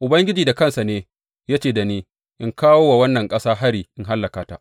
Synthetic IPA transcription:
ʔʊ˨bɐ˦ŋɡʲɪ˦d͡ʒiː˨da˨kɐ˦˨nsa˨neː˦ | jaː˦t͡ʃeː˨da˨neː˦ | ʔɪ˦ŋkaː˦woː˦wa˨wɐ˦nːɐ˨ŋkʼɐ˦saː˦ɦa˦ɽiː˨ʔɪ˦nɦa˦lːɐ˨kaː˨ta˦ʔ

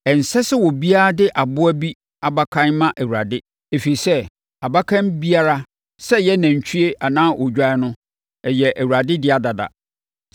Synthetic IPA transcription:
ɛ˨n̩˨sɛ˦sɪ˦wɔ˨bi˦a˦a˦dɪ˦ʔa˨bʊ˦æ˦bi˦ | a˨ba˦kʰã˦nmã˦ʔæ˨wu˨ɾa̰˨dɪ˦ | e˨fi˨i˨sɛ˦ | a˨ba˦kʰã˦mbi˦a˦ɾa˦ | sɛ˦jɛ˦nã˨ɲ˨t͡ɕʰy˦e˦ʔa˨nãː˦ʔɔ˨d͡ʑᶣa˦nʊ̃˦ | ɛ˨jɛ˨ʔæ˨wu˨ɾa˨dɪ˦dɪ˦a˨da˨da̰˨

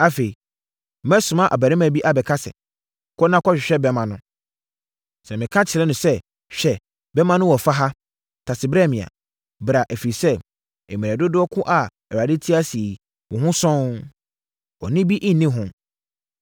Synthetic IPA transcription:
a˦fe˨i˨ | mɛ̃˦sʊ̃˨mã˦ʔa̰˨bæ˨ɾɪ̃˦mã˨bi˦ʔa˨bɛ˨kʰa˦sɛ̰˨ | kʰɔ˦nã˦kʰɔ˦ɕᶣɪ˨ɕᶣɛ˦bɛ˦mã˨nʊ̃˦ | sɛ˨mɪ̃˨kʰã˦t͡ɕʰɪ˨ɾɛ˦nʊ̃˨sɛ˦ | ɕᶣɛ˨ | bɛ˦mã˨˦nʊ̃˦wɔ˨fa˦ɦa˦ | tʰa˨sɪ˨bɾɛ˦˨mɪ̃˨a̰˨ | bɾa˨ʔɛ˨fi˨i˨sɛ˦ | ɛ˨mĩ˨ɛ˨dʊ˦dʊ˦ɔ˦kʰʊ̃˦ʔa˨ | ɛ˨a˨dɪ˦tʰi˦a˦si˨ | wɔ̃˨ɦʊ̃˦sɔ̃˦ | ɔ˨nɪ̃˦bi˦ʔɪ̃˦n˨nĩ˦ɦʊ̃˦

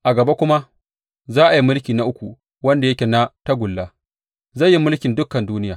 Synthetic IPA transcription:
ʔa˨ɡɐ˨be˦kʷʊ˦ma˦ | zaː˦ʔa˨ji˦mʊ˦lkʲiː˨na˨ʔʊ˦kʷu˨ | wɐ˦nda˨jɐ˦kʲe˨na˦ta˦ɡʷʊ˨lːaː˦ | zɐ˦˨jːi˦mʊ˦lkʲɪ˨ndʊ˦kːɐ˨nduː˦nɪ˦jaː˨

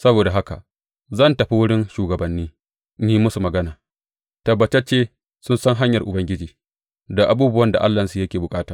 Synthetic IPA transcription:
sɐ˦boː˨da˨ɦa˦ka̰˨ | zɐ˦˨ntɐ˨ɸi˦wʊ˦ɽɪ˦nʃuː˨ɡɐ˨bɐ˨nːiː˦ | ni˦i˦mʊ˦su˨mɐ˨ɡɐ˦naː˨ | tɐ˨bːɐ˨t͡ʃɐ˦t͡ʃːeː˦ | sʊ˦nsɐ˦ŋɦa˦ɲjɐ˨rʔʊ˨bɐ˦ŋɡʲɪ˦d͡ʒiː˨ | da˨ʔa˨buː˦bʊ˦wɐ˦nda˨ʔa˦lːa˨nsu˦˨jɐ˦kʲeː˨bʊ˨kʼaː˦taː˨

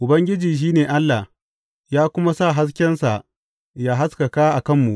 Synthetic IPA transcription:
ʔʊ˨bɐ˦ŋɡʲɪ˦d͡ʒiː˨ʃ̬iː˦neː˨ʔa˦lːa˨h | jaː˦kʷʊ˦ma˦sa˦˨ɦa˦s̬kʲɛ˦nsa˨ʔ | jaː˦ɦa˦skɐ˨ka˦ʔa˨kɐ˦˨mːu˨ʔ

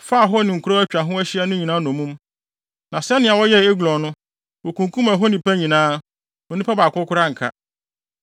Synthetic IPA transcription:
fa˦˨ɦɔ˦nɪ̃˨ŋ̩˨kʰu˦ɾo˦æ˦t͡ɕᶣa˨ɦʊ̃˦æ˦ɕi˦ɛ˦nʊ̃˦ɲi˨nãː˦nɔ̃˨mũ˦m | nã˨sɛ˦nɪ̃˦a˨wɔ˦jɛ˦˨e˦ɡlɔ̃˨nʊ̃˦ | wo˨kʰũ˨ŋkʰũ˦mæ˨ɦɔ˦nĩ˨pæ˦ɲĩ˨nãː˦ | wo˨nĩ˦pa˦ba˨kʰʊ˦kʰʊ˦ɾa˦ŋ̩˨kʰa̰˦

